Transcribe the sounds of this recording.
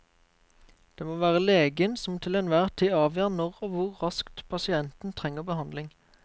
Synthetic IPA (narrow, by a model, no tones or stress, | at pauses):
d̪̥eːmoːʋæːʁəleːɡənsɔmt̪ʰɪlɛnʋæːʁt̪ʰiːɑːʋjøːʁnɔʁoːʋʊʁʁɑskt̪pʰɑsɪɛnt̪n̩t̪ʰʁɛŋːəʁbəhɑnd̪lɪŋ